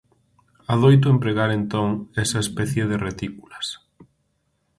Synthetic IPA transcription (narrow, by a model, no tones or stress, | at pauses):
aðojt̪̬ʊempɾeɣaɾent̪oŋɛsɐespɛθjeðeret̪ikulɐs